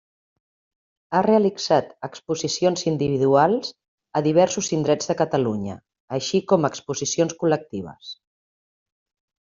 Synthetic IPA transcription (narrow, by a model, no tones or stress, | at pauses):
areəliɡz̥at̪əkspuzisionzind̪iβiðualˠz | əðiβ̞ɛɾsuzind̪ɾɛzðəkət̪əluɲə̰ː | ʃikɔməkspuzisionskulək̚t̪iβ̞ə̰s